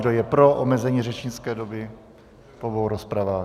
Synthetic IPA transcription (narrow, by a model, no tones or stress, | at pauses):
dojɛpɾoʔomɛzɛɲiːrɛt͡ʃɲɪt͡skɛːdobɪ | povowɾospɾavaː